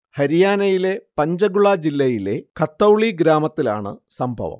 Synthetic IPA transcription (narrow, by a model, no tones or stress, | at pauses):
hɐɾijaːnɐjile̞pɐɲd͡ʑɐɡuɭad͡ʑilːɐjile̞kʰɐt̪ːɐwɭiɡɾaːmɐt̪ːila̰ːɳɨ̰sɐmbʱɐ̰ʋɐ̰m